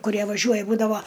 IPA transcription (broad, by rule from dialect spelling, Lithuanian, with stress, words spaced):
kʊˈrʲiɛ ʋɐˈʒʲuɔjɛ ˈbuːdɐʋoː